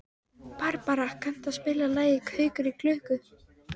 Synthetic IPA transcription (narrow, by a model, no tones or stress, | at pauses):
paɾpaɾakʰan̥t̪aðspɪːlalaːjɪkʰœːɥkʏɾikʰlʏːhkʏ